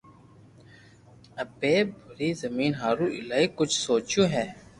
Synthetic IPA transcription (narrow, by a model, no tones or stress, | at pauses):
ɐpeːbʱʊɾiːzəmiːnɦaːɾũːʔɪ̰laːikʊt͡ʃʰsoːt͡ʃjũːɦɛː